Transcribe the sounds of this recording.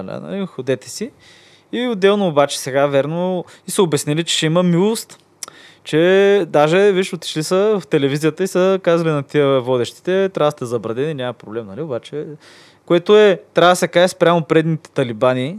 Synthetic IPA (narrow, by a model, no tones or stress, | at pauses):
d̪a̰nɐ̰lixod̪ɛt̪ɛ̥si | iod̪ːɛlˠnoːbat͡ʃɛ̥sɛɡavʲɛɾno | isəobɛsnilit͡ʃɛ̥ʃɛiməmilˠost̪ | t͡ʃɛd̪aʒɛviʃot̪i̥ʃlisəvft̪ɛlɛvizijət̪əisəkazəlʲinɐt̪iəvɔd̪ɛʃt̪i̥t̪ɛt̪ɾʲavəst̪ɛzɐbɾɐd̪ɛninʲaməpɾoblɛmnɐliobat͡ʃɛ | koɛt̪oɛt̪ɾavəsɛkaʒɛspɾʲamopɾɛd̪nit̪ɛ̥t̪ɐlibaniː